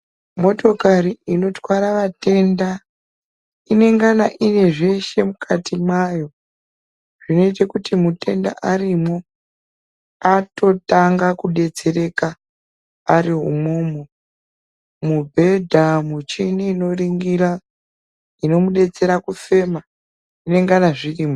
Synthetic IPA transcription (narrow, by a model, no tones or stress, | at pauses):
mo̞to̞kaɾiino̞twaɾaʋate̞nda | ine̞ŋɡanaʔine̞ʐe̞ʃe̞mukʰatimwajo̞ | ʐ̥ino̞it̬ekutimute̞nda̰ʔarimo | ato̞taŋɡakuɗe̞t͡se̞ɾe̞kaː | ɾiɦṵmomo | mubʱe̞dʱamut͡ʃiniːno̞riŋɡiɾa | ino̞muɗe̞t͡se̞ɾakufe̞ma | ine̞ŋɡanaʐiriːmo